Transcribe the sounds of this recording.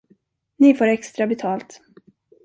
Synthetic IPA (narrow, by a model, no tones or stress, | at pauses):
nɪfoːɾɛkst̪ɾabɛt̪ʰɑːlt̪